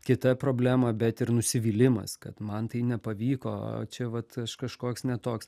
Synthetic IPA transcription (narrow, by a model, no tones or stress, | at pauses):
kʲɪt̪ɐpɾoːbʲlʲæːmɐbʲɛt̪ɪɾnʊsʲɪʋʲiːlʲɪmɐ̰skɐt̪mɐnt̪ɐɪnʲɛpɐʋʲiːko̰ːt͡ʃʲɛʋɐt̪ɐʃkɐʃkoːksnʲɛt̪oːks